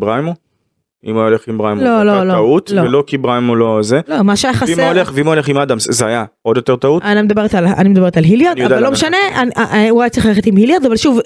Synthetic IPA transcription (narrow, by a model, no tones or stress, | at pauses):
bʁajmo | ḭmujaoleχimbʁajmlololoaut̪lovelo̞kibʁajmolozelomaʃeajaχaimleχveimooleχimad̪amzzeaja | o̞d̪jo̞t̪e̞ʁt̪autanimed̪abeet̪ala̰nimed̪abe̞etalɦiljaʁdnjodadallomʃane̞anauajatt͡seiχlaeχet̪imhiljaʁd̪avalʃuv